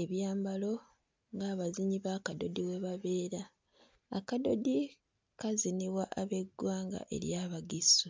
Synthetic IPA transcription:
eβjaːmbalo̞ | ŋɡaːβaziɲiβakado̞̰diwe̞βaβe̞ːɾaː | kado̞di | kaziniwaʔaβe̞ɡːwaːŋɡa̰ʔe̞̰ɾjaβaɡisu

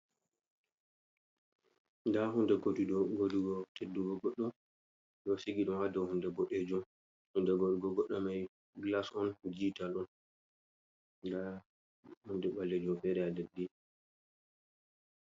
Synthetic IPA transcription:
ndaɦundɛɡotuɗɔɡoduɡɔtedːuɡɔɡɔɗːɔ | ɗɔsiɡiɗɔnwadɔwhundɛɡɔɗɛd͡ʒɔ | hundɛɡoduɡɔɡɔɗːɔmaj | ɡlasɔnd͡ʒitalɔn | da | hundɛɓalːɛd͡ʒɔfɛɾɛadedːi

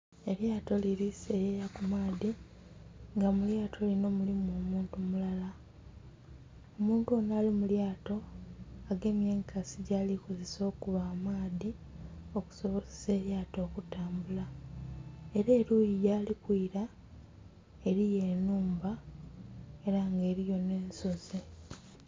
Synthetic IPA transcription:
e̞ɾjaːto̞liɾisejejakumaːði | ŋɡamuljaːtʰo̞lino̞mulimuo̞ːmuːntumulala | omuːntuo̞naːlimuljaːto̞aɡe̞ːmjeːŋkʰasiɟaːliko̞ze̞so̞ːkuβaːmaːði | o̞ku̥so̞βo̞zese̞ːɾjaːto̞ːkutaːmbula | e̞ɾeːɾujijaːlikwiːɾa | e̞ɾije̞ːnuːmba | e̞ɾaŋɡe̞ːɾijo̞ne̞ːnso̞ze

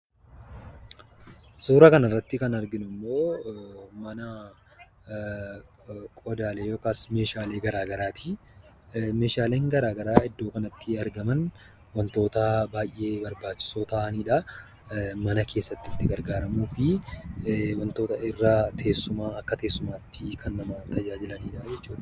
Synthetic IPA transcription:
suːɾɐkɐnɐrːɐt̪ːɪkɐnɐɾɡɪnʊmːo̞ː | mɐnɐ | kʼɔd̪aːleːjoːkaːsme̞ːʃaːle̞ːɡɐɾaːɡɐɾaːt̪ʰi | me̞ːʃaːleːŋɡɐɾaːɡɐɾaːɪd̪ːo̞ːkɐnɐt̪ːɪɐɾɡɐmɐn | wɐnt̪o̞ːt̪ɐbaːjʔe̞ːbɐɾbaːt͡ʃːɪ̥soːt̪ɐʔniːᶑɐ | mɐnɐkʰe̞ːsːɐt̪ːɪt̪ːɪɡɐɾɡaːɾɐmuːfɪ | wɐnt̪o̞ːt̪ɐɪrːaːt̪ʰe̞ːsːʊmaːɐkːɐt̪e̞ːsːʊmaːt̪ːɪkʰɐnːɐmɐt̪ɐd͡ʒaːd͡ʒɪlɐniːᶑɐd͡ʒɛt͡ʃːuːᶑɐ

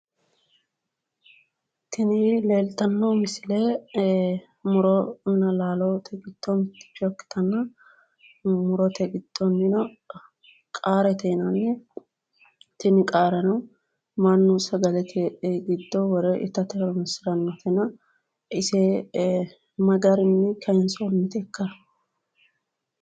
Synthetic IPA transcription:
t̪ɪnɪle̞ːlt̪ɐnːoːmɪsɪleː | mʊɾɔmɪnɐlaːlot̪ʰɛɡɪt̪ːomɪt̪ːɪ̥t͡ʃːɔkːɪ̥t̪ʰɐnːɐ | mʊɾɔt̪ʰɛɡɪd̪̥ːonːɪnɐ | kʼaːɾɛt̪ɛnɐnːɛ | t̪ɪnɪkʼaːɾɐnɐw | mɐnːʊsɐɡɐlɛt̪ʰɛɡɪd̪ːɔwɔɾɛʔɪ̰t̪ːɐt̪ɛɾɔmɪsɪɾɐnːɔt̪ɛnɐ | ʔɪse | mɐɡɐɾɪnːɛkʰɐɪnsomːɪt̪ɛkːɐ

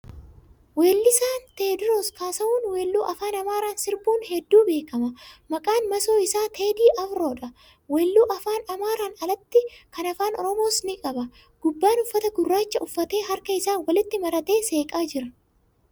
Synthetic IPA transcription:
we̞ːlːɪsaːnt̪eːd̪ɾoːskaːsɐuːnwe̞ːlːuːʔɐfaːnɐmaːɾaːnsɪɾbuːnhɛd̪ːuːbe̞ːkɐmɐmɐkʼaːnmɐso̞ːɪsaːt̪ʰeːd̪iːʔɐfɾo̞ːᶑɐ | weːlːuːʔɐfaːnɐmaːɾaːnɐlɐt̪ːɪkɐnɐfaːnɔ̰ɾɔmo̞ːsnɪkʼɐbɐ | ɡ̥ʊbːaːnʊfːɐt̪ɐɡʊrːaːt͡ʃːɐʊfːɐt̪e̞ːɦɐɾkɐɪsaːwɐlɪt̪ːɪmɐɾɐt̪e̞ːse̞ːkʼaːd͡ʒɪɾɐ

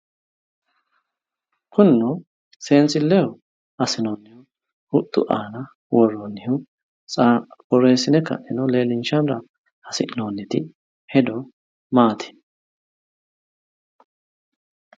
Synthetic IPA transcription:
kʰʊnːɔ | se̞ːnt͡sɪlːɛjɔ | ɐsɪnoːnːɪjʊ | hʊd̪ʊ̰ʔaːnɐ | wɔrːɔnːɪjʊ | t͡sʼakɔɾe̞ːsɪnɛkɐ̰ʔɪnɔle̞ːlɪnʃɐnɾɐ | hɐsɪʔnoːnːɪt̪ɪ | hɛd̪ɔ | maːt̪ʰɪ̥n

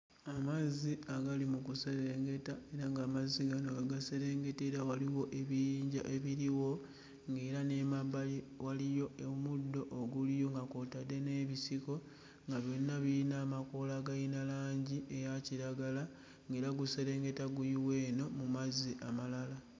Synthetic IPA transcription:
amaziaɡalimukuse̞ɾe̞ŋɡe̞tae̞ɾaŋɡaːmazːiɡanoɡaɡase̞ɾe̞ːŋɡe̞teɾawaliwo̞ʔeβijiːɲɟa̰ʔe̞βiɾiwo̞ | ŋɡe̞ːɾane̞ːmaβali | walijo̞emudːo̞ʔoɡulijo̞ŋɡakotadːe̞ne̞βisiko̞ | ŋɡaβjo̞nːaβiinaːmako̞laɡajinalaːɲɟie̞jaciɾaɡala | ŋɡe̞ːɾaɡuse̞ɾe̞ːŋɡe̞taɡujiwe̞ːno̞mumaziʔamalala

